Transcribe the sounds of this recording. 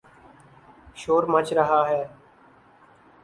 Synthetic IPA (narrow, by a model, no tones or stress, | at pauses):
ʃoːɾmət͡ʃɾəɦaːɦeː